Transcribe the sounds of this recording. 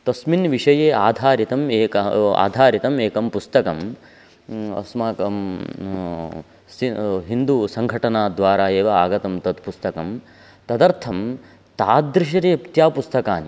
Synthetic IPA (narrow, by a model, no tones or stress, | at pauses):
t̪ɐsminʋiʂɐjeːaːd̪ʱaːɾit̪ɐmeːkɐa̰ːd̪ʱaːɾit̪ɐmeːkɐmpust̪ɐkɐm | ɐ̰smaːkɐm | siɦind̪usɐŋɡʱɐʈɐnaːd̪ʋaːɾaːeːʋɐaːɡɐt̪ɐmt̪ɐd̪pust̪ɐkɐm | t̪ɐd̪ɐɾt̪ʰɐm | t̪aːd̪ɾɪʃ̬ɐɾiɐpt̪jaːpust̪ɐkaːni